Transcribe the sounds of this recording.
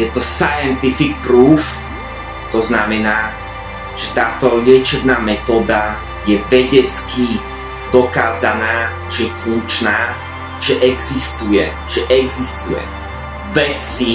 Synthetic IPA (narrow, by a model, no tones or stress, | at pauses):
jɛt̪ɔsajɛnt̪ifik̚pɾuːf | t̪ɔznamɛnaː | ʒ̥ɛt̪aːt̪ɔʎɪɛt͡ʃɛb̪naːmɛt̪ɔːd̪a | jɛʋɛɟɛt͡ski | d̪ɔkaːzanaː | ʒɛfuŋk̚t͡ʃnaː | ʒ̥ɛʔɛɡzist̪ujɛ̰ | ʒ̥ɛʔɛɡzist̪ujɛ̰ | ʋɛt͡si